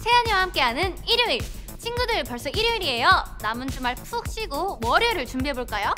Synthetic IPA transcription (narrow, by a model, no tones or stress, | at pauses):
sʰe̞aɲiwahamk͈e̞ɦanɯniɾjuiɭ | t͡ɕʰinɡudɯɭpʌɭs͈ʌiɾuiɾie̞jʌnamɯnd͡ʑumaɭpʰuk̚ɕ͈iɡomʌɾjʌɾɯɭt͡ɕumbiɦe̞boɭk͈ajo